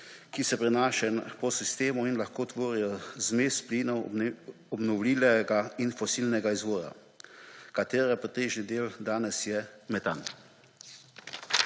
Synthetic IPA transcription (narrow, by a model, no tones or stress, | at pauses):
kisɛpɾɛnaːʃɛnpɔsist̪eːmuinlaxkoːt̪ʋoːɾijɔzmeːspliːnɔw | ɔbnɔwliːlɛɡainfɔsilnɛɡaizʋoːɾa̰ | kat̪eːɾɛpɾit̪eːʒnid̪eːld̪aːnɛsjɛmɛt̪a̰n